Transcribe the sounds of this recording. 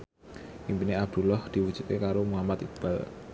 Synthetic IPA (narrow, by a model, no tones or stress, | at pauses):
ʔimpineab̚d̪̥ṳlɔhd̪̥i̤wudd͡ʒ̥ṳt̪̚kekaɾomuɦamat̪ib̥al